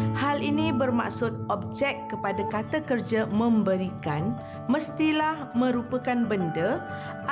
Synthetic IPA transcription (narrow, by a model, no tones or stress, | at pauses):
halinĩbərma̰ksʊt̪̚ɔb̚d͡ʒɛkːəpadakat̪akərd͡ʒamə̃mbəɾikan | məst̪ilahmə̃ɾupəkanbəndə